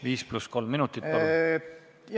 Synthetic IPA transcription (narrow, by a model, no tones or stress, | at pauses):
ʋiːspluskolmːinut̪ːit̪po